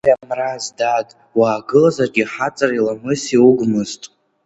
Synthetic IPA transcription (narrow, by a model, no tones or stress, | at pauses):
amnrazdadʼ | waːɡɨlazarɡʲiħat͡sʼarilamɨsiwuɡʷmɨztʼ